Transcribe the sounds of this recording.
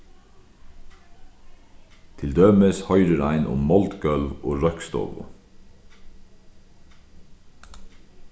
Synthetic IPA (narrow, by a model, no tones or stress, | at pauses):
t̪ʰɪld̪øːməshœʏɾəɾæɪnʔʊ̰mmɔlt̪ɡœlʋoːɾœkst̪ɔ̰ːʋʊ̰